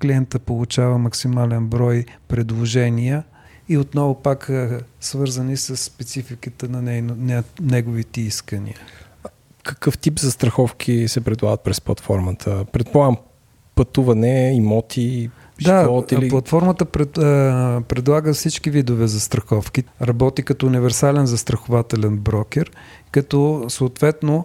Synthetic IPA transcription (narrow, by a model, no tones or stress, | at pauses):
kliɛnt̪əpolˠut͡ʃavəmɐksimalɛnbɾɔjpɾɛd̪lˠoʒɛniə | iot̪nɔvʊpaksvɤɾzənisəsːpɛt̪sifikət̪ənɐnɛnnɛnɛɡʊvit̪ɛiskənḭə | kɐkɤft̪ipzɐst̪ɾɐxɔfkʰisɛpɾɛd̪lˠa̰ɡət̪̚pɾɛsplˠɐ̰t̪fɔɾmət̪ʰəpɾɛt̪̚polˠaɡəm | pɐt̪uvɐnɛimɔt̪ʰi | d̪aɔiliplˠɐt̪fɔɾmət̪əpɾɛ | pɾɛd̪lˠaɡəfsit͡ʃkivid̪ʊvɛzɐst̪ɾɐxɔfkiɾɐbɔt̪ikɐt̪ɔunivɛɾsalɛnzɐst̪ɾɐxʊvat̪ɛlɛnbɾɔk̟ɛɾ | kɐt̪ɔsoːt̪vɛt̪no